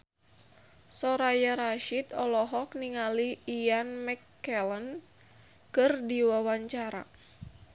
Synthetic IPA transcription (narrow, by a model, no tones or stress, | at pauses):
sɔɾajaɾaʃit̪ɔlɔɦɔk̚niŋaliːanmɛkː | ɛlən | kɨrdiwawaɲt͡ʃaɾa̰